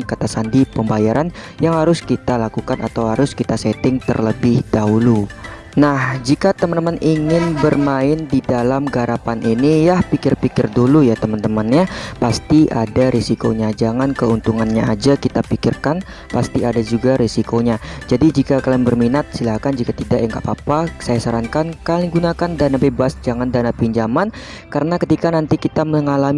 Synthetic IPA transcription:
nkat̪asandipəmbajaɾʔan | jaŋhaɾʊskit̪alakukanʔat̪awhaɾʊskit̪asɛt̪ɪŋt̪ə̰rləbɪhdaɦulu | nahd͡ʒikat̪əmənt̪əmanʔiŋɪnbərmaɪndidalamɡaɾapanʔinijahpikɪrpikɪrdulujat̪əmant̪əmanɲapast̪iʔadaɾisikoɲad͡ʒaŋankəunt̪uŋanɲaad͡ʒakit̪apikɪrkan | past̪iadad͡ʒuɡaɾisikoɲad͡ʒadid͡ʒikakalɪŋbərminat̪̚silahkand͡ʒikat̪idaʔjaŋɡaʔpapasajasaɾaŋkankalɪŋɡunakandanabebasd͡ʒaŋandanapiɲd͡ʒaman | kaɾənakət̪ikanant̪ikit̪aməŋalam

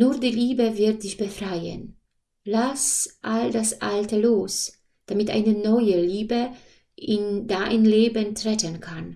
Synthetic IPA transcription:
nuːɐdiːliːbəvɪɐt̚d̥ɪçb̥əfʁ̥aɪə̰n | lasʔaldasʔa̰ltəloːs | d̥amɪtʔa̰ɪnənɔʏəliːbə | ʔɪndaːʔa̰nleːbəntʁ̥ɛtənkʰan

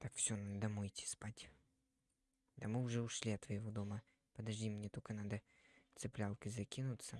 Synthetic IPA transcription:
t̪akfsʲonad̪əd̪ɐmojtʲi̥spatʲ | d̪ɐmɨʊʐɛʊʂlʲiɐt̪vɐjɪvod̪omə | pəd̪ɐʐdʲimnʲet̪okənad̪ə | t̪sɨplʲalˠkɨzɐkʲinʊt̪sə

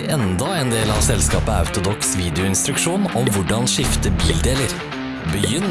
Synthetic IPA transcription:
ɛnd̪ɑeːnd̪eːlɑʋsɛlskɑːpəɑ̰ʉt̪ʊd̪ɔksʋiːd̪ɪʊɪnst̪ɾʉkʂuːnɔmʋʊɖɑnʃɪft̪əbiːld̪eːləɾ | bəjʏn

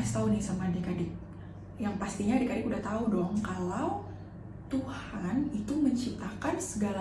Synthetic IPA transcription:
ast̪aunɪhsamadikadɪk̚ | jaŋpast̪iɲaːdikadɪkudaht̪audɔŋkalaw | t̪uhanit̪uməɲt͡ʃip̚t̪akansəɡala

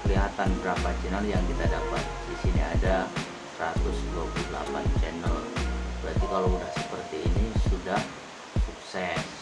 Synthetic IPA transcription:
kəliɦat̪anbəɾapat͡ʃɛnəljaŋkit̪adapa̰t̪̚disiniada | sɾat̪ʊsdluapludəla̰pant͡ʃɛnəlbɾat̪ikalawudahsəpərt̪iːnisudah | suksɛs

